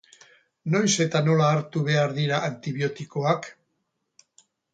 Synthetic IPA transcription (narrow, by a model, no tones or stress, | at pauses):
no̞jse̞t̪ano̞laːɾt̪uβe̞aɾðiɾaʔant̪iβio̞t̪iko̞ak